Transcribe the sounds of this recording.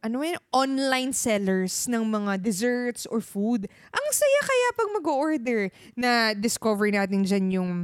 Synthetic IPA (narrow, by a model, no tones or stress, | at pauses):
ʔɐnoɛʔonlajnsɛlɛɹsnɐŋmɐŋad̪ɛzɛɹt̪sʔɔɹfud̪ʔɐŋsɐjakɐjapɐŋmɐɡoʔoɹd̪ɛɹ | nɐd̪ɪskovɛɹɪnaːt̪ɪnd͡ʒanjʊŋ